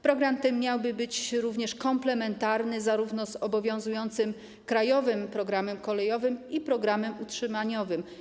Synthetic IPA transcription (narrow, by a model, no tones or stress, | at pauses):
pɾɔɡɾamt̪ɛːjawbɘbɘt͡ɕɾuvɲɛʂkɔmplɛmɛnt̪aɾnɘzaɾuvnɔzɔbɔvʲjɔ̃w̃zujɔnt̪sɘm | kɾajɔvɘmpɾɔɡɾamɛmkɔlɛjɔvɘmipɾɔɡɾamɛmutʂɘmaɲɔvɘm